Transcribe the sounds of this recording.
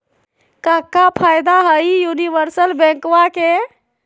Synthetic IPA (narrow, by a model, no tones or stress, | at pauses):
kəkːapʰajd̪aɦəjjuniʋəɾsəlbɛ̃ŋkwake